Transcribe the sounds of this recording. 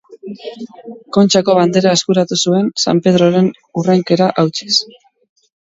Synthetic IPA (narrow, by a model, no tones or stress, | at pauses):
ko̞nt͡ʃako̞βand̪e̞ɾaeskuɾat̪usue̞nsa̰mpe̞ð̞ɾo̞ɾe̞n | urajŋke̞ɾaʔawt͡ʃi̥s